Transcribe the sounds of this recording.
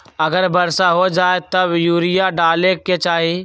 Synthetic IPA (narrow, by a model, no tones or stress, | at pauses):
ɐɡəɾbəɾsaɦod͡ʒaːet̪ɐbjuːɾɪjaɖaːleket͡ʃaːɦi